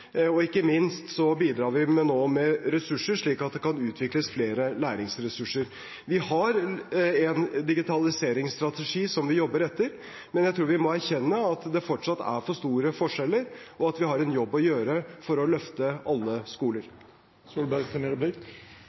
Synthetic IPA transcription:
ɔɪkːəmɪnst̪sɔbiːd̪ɾɑːɾʋɪmɛnoːmɛɾɛsʉʂəʂɭiːkɑt̪̚d̪ɛkɑnʉːt̪ʰʋɪkləsfleːɾəlæːɾɪŋsɾɛsʉʂəɾ | ʋɪhɑɾɛnd̪ɪɡɪt̪ʰɑlɪseːɾɪŋst̪ɾɑt̪ɛʂiːsɔmʋɪjɔbːəɾɛt̪ːəɾ | mɛnjæɪt̪ʰɾuːɾʋɪmɔæɾçɛnːəɑt̪d̪ɛfɔʈʂɑt̪ːæ̰ɾfɔʂt̪uːɾəfɔʂɛlːəɾɔɑt̪ʋɪɦɑɾɛnjɔbːɔjøːɾəfɔɾɔlœft̪əʔɑlːəskuːləɾ | suːlbæɾɡt̪ʰəneɾblɪ

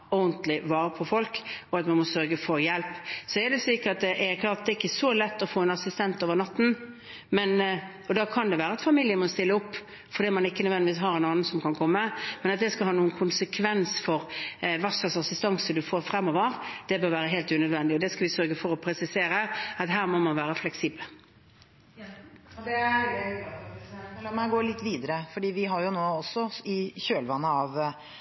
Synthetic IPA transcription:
ɔʊnt̪lɪʋɑːɾəpʰɔfɔlkɔɑt̪mɑnmɔsœɾɡəfɔɾjɛlpːsɔɛɾd̪ɛsiːkəɾɑt̪̚d̪ʔɛklɑːɾt̪̚d̪ɛɪkːəsɔlɛt̪ːɔfoːɛnɑsɪst̪ɛnt̪oːʋəɾnɑt̪ːn̩ | mɛn | ɔd̪ɑːkʰɑnd̪ɛʋæːɾəɑt̪fɑmɪljəmɔst̪ɪlːəʊpː | fɔɾd̪iːmɑnɪkːənœʋɛnɪʋiːs̬ɦɑɾɛnɑːnən̩sɔmkʰɑnkʰɔmːəmɛnɑt̪̚d̪ɛskɑhɑːnuːənkʰʊnsəkʰʋɛnsfɔɾʋæʁsɑsɑsɪst̪ɑŋsəd̪ʉfoːɾfɾɛmːɔːʋəɾd̪̥ɛbøːɾʋæːɾəɦɛːlt̪ʉnœd̪ʋɛnd̪ɪɔd̪ɛskɑʋɪsœɾɡəfɔɾɔpʰɾɛsɪseːɾəɑt̪ɦæːɾmɔmɑnʋæːɾəflɛksiːbəl | d̪ɛ | ɑmɛɡoːlɪt̪ːʋiːd̪əɾəfɔɖiːʋɪɦɑɾjʊnoːɔsːɔɪçøːlʋɑnːəɑʋ

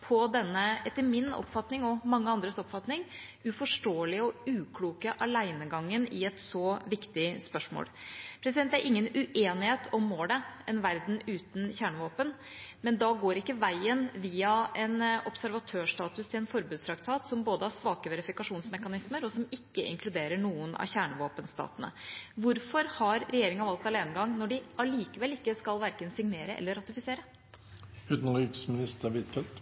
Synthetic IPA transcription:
pʰɔd̪ɛnːəɛt̪ːəɾmɪnɔ̰pːfɑt̪nɪŋɔmɑŋːəɑnd̪ɾəsɔpfɑt̪nɪŋʉfɔʂʈoːlɪəɔʉːkʰluːkəʔɑlæɪnəɡɑŋːənɪɛt̪sɔʋɪkt̪ɪspœʂmo̰ːlpʰɾɛsɪd̪ɛnt̪ːæɾʔɪŋːənʉʔeːnɪheːt̪ʰɔmːoːləɛnʋæɾd̪n̩ʉːt̪n̩çæːɳəʋoːpən | mɛnd̪ɑɡoːɾɪkːəʋæɪənʋiːɑɛnɔpsæɾʋɑt̪ʰøːʂt̪ɑːt̪ʉst̪ʰɪlɛnfɔɾbʉːd̪st̪ʰɾɑkt̪ʰɑːt̪sɔmboːd̪əhɑsʋɑːkəʋɛɾɪfɪkɑʂuːnsmɛkɑnɪsməɾɔsɔmɪkːəɪ̰ŋkʰlʉd̪eːɾəɳuːənɑ̰çæːɳəʋoːpənst̪ɑ̰ːt̪ənə̰ʋʊɾfɔɾhɑɾɾɛjeːɾɪŋɑʋɑlt̪ɑleːnəɡɑŋːnɔɖɪɑliːkəʋɛlɪkːəskɑlʋæɾkənsɪŋneːɾəʔɛ̰lːəɾɑt̪ɪfɪseːɾə | ʉːt̪nlʏksmɪnɪst̪əɾʋɪt̪fɛlt̪

